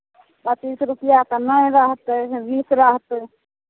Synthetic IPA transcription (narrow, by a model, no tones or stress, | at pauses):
bət̪isɾupijakənəjɾəɦt̪bisɾəɦt̪